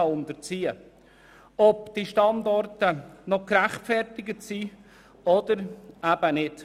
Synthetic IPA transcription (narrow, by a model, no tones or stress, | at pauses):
ɑʊnd̪əɾt͡siːə | ɔpd̪̥iʃtɑnd̪ɔrtənɔkɾæχtfɛrtɪɡətsi | ɔd̪̥əɾæb̥ənɪt